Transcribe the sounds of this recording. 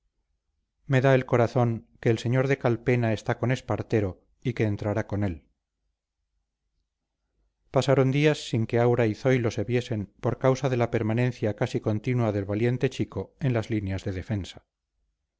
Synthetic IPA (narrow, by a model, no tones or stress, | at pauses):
me̞ðae̞lko̞ɾaθo̞ŋke̞ːlse̞ɲo̞ɾðe̞kalpe̞nae̞st̪ako̞ne̞spaɾt̪e̞ɾo̞ | ike̞ːnt̪ɾaɾako̞ne̞l | pasaɾond̪iasːiŋkeawɾaiθo̞jlo̞se̞βje̞se̞mpo̞ɾkawsaðe̞lape̞ɾmanẽ̞nθjakasiko̞nt̪inwaðe̞lβalje̞nt̪e̞t͡ʃiko̞e̞nlazlinjazðe̞ðe̞fe̞nsḁ